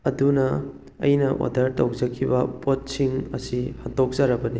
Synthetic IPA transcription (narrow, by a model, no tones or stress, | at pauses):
ɐdunɐ | ɐ̰jnɐʔo̰dɐɾtɐwzɐkʰːibɐpot̚siŋɐ̰sihɐtok̚zɐɾɐbɐni